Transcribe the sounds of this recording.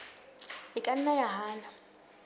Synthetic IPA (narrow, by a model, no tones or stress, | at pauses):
ɪkʼan̩najaɦaːla